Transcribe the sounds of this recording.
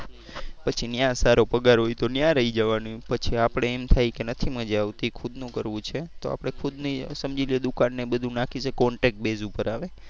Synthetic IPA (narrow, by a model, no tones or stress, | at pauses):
pət͡ʃʰinjãsaɾopəɡaɾɦojt̪onjãɾəɦid͡ʒəʋanũpət͡ʃʰiapɽ̃eːmt̪ʰajkenət̪ʰiməd͡ʒaʋt̪ikʰud̪nũkəɾʋũt͡ʃʰet̪o̰a̰pɽ̃ekʰud̪nisəmd͡ʒilied̪ukanːebəd̪ʱũnakʰiʃəkɔɳʈek̚ʈ̚bezupəɾaʋe